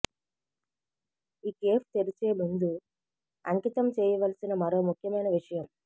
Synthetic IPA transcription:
iːkeːpʰt̪eɾit͡ʃeːmund̪u | ɐŋkit̪ɐmt͡ʃɛːjɐʋɐlɐsinɐmɐɾo̞ːmukʰjɐmɐjnɐʋiʂɐjɐm

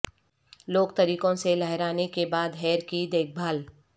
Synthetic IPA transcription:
loːɡ̚t̪ɐɾiːkõselɐɦɾaːnekebaːd̪ɦɛːɾkid̪eːk̚ʰbʱaːl

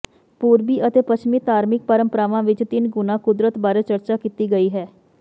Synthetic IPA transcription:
puːɾbiːʔət̪eːpət͡ʃmiːt̪aːɾmɪk̚pəɾəmpəɾaːʋãːʋɪt͡ʃt̪ɪnɡʊnãːkʊd̪ɾət̪baːɾeːt͡ʃəɾt͡ʃaːkiːt̪iːɡəiːɦɛː

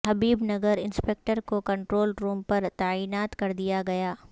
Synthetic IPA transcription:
ɦɐbiːbnɐɡəɾɪnspeːk̚ʈəɾkokɐ̃ɳʈɾoːlɾuːmpɐɾt̪aːiːnaːt̪kɐɾd̪ijaɡɐjaː

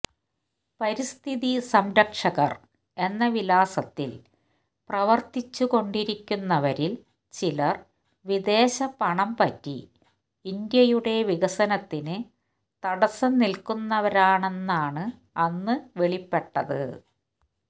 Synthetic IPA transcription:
pɐɾist̪ʰiðisɐmɾɐkʂɐɣɐ̰r | e̞nːɐʋilaːsɐt̪ːil | prɐʋɐrt̪it͡ɕːuko̞ɳɖiɾikʲːunːɐʋɐɾil | t͡ɕilɐr | ʋid̪e̞ːɕɐpɐɳɐmpɐtːḭː | nd̪jɐjuɽe̞ʋiɣɐsɐnɐt̪ːinɨ | t̪ɐɽɐsɐmnilkunːɐʋɐɾaːɳe̞nːaːɳɨ | ɐnːɨʋeɭipːe̞ʈːɐðɨ̰

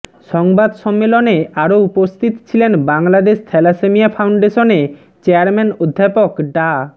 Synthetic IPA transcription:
ʃɔŋbad̪ʃɔmːeloneaɾoupost̪ʰit̪t͡ɕʰilenbaŋlad̪eʃt̪ʰɛlasemijafʰawɳɖeʃone | t͡ɕeaɾmɛnod̪ʱːapokɖa

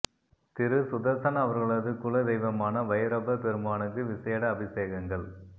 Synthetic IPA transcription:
t̪ɪɾɯsʊðɐsɐnɐʋɐɾɣɐɭɐðɯkʊɭɐd̪ɛjʋɐmaːnɐʋɐjɐɾɐbɐpɛɾɯmaːnɯkːɯʋɪseːɽɐːbɪseːɣɐŋɡɐɭ

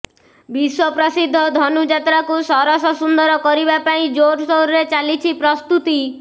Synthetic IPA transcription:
biswɔpɾɔsid̪ʱːɔd̪ʱɔnud͡ʒat̪ɾakusɔɾɔsɔsund̪ɔɾɔkɔɾibapaĩd͡ʒoʈsɔwɾɾet͡ʃalit͡ʃʰipɾɔst̪ut̪i

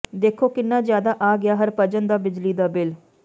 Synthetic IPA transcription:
d̪eːkʰoːkɪnːãːzjaːd̪aːʔaːɡɪjaːɦəɾpəd͡ʒənd̪aːbɪd͡ʒliːd̪aːbɪl

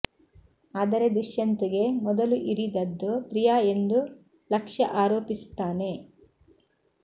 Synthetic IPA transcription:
aːd̪ɐɾe̞d̪ɾiʃjɐnt̪eɡe̞mɔd̪ɐluʔiɾid̪ɐd̪ːupɾijaːe̞nd̪u | lɐkʂɐʔaːɾoːpisu̥t̪aːne̞

